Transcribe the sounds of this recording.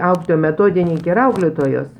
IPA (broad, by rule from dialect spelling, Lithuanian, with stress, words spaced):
ˈɐʊklʲeːtoːjɛ mʲɛˈtoːdʲɪnʲɪŋʲkʲeː ɪr ˈɐʊklʲeːtoːjoːs